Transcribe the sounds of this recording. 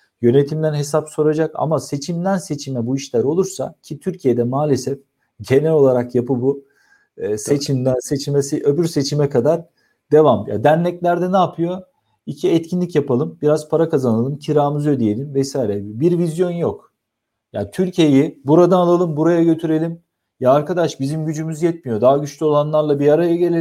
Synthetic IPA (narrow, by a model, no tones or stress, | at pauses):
jø̞ne̞t̪ʰimd̪ænɦe̞sapso̞ɾad͡ʒaka̰mase̞t͡ʃʰimd̪ænse̞t͡ʃʰimɛbuiʃlʲæɾo̞lˠuɾsa̰cʰit̪ʰyɾcʰije̞d̪ɛmaːlʲe̞sɛf | ɟe̞nɛlʲo̞lˠaɾakjapɯbu | se̞t͡ʃʰimd̪ænse̞t͡ʃʰimɛsiʔøbyɾse̞t͡ʃʰimɛkʰad̪aɾ | d̪e̞vamja̰ːd̪ænlɛclʲæɾd̪ɛnaːpʰɯjo̞ | icʰiɛt̪cʰinlʲicjapalˠɯmbiɾaz̥pʰaɾakazanalˠɯmcʰiɾaːmɯzod̪ije̞lʲimvɛsaːjiɾɛbiɾvizjo̞njo̞k | ja̰ːt̪ʰyɾcʰije̞jibuɾad̪aːlˠalˠɯmbuɾajaɟø̞t̪ʰyɾe̞lʲim | jaːɾkad̪aʃbizimɟyd͡ʒymyzjɛt̪mijo̞d̪aɦaɟyt͡ʃlʲyo̞lˠanlˠaɾlˠabijaɾajaɟelʲe